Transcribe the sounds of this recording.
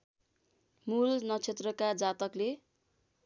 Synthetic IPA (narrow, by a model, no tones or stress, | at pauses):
mulnʌt͡sʰet̪rʌkad͡zat̪ʌkle